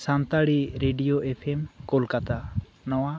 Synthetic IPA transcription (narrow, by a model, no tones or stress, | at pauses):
sant̪aɽiɾeɖijoʔepʰemkɔlkat̪a | nɔwa